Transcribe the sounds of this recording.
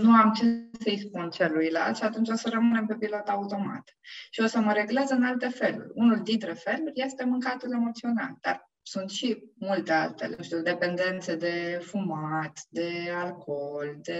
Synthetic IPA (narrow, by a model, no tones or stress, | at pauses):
nuamt͡ʃesəjspunt͡ʃelujla̰lʃat̪unt͡ʃʲo̞səɾəmɨne̞mpe̞pilo̞t̪aut̪o̞ma̰t̪ | ʃio̞səməɾe̞ɡleazəɨnalt̪e̞fe̞lṵrʲunuld̪int̪ɾefe̞lurʲje̞st̪e̞mɨŋkat̪ule̞mo̞t̪sio̞na̰ld̪̥a̰r | sunt̪ʃimult̪e̞a̰lt̪e̞̰lḛnuʃt̪ʲiud̪e̞pe̞nd̪e̞nt̪se̞d̪e̞fumat̪d̪e̞alko̞ld̪e̞